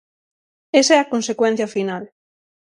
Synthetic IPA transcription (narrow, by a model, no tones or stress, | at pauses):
esɛɐkonsekwɛ̃n̟θjɐfinal